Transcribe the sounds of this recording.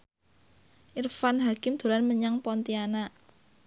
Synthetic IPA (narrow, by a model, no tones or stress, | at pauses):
ʔirfanɦakɪmd̪̥o̤lanməɲaŋpɔnt̪iana